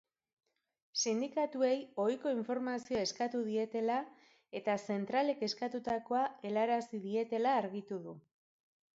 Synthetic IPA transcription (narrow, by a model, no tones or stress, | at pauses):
sind̪ikat̪ue̞jo̞jko̞iɱfo̞ɾmasioae̞skat̪uð̞ie̞t̪e̞la | e̞t̪ase̞nt̪ɾale̞ke̞skat̪ut̪ako̞ae̞laɾasiðie̞t̪e̞laːɾɣit̪uðu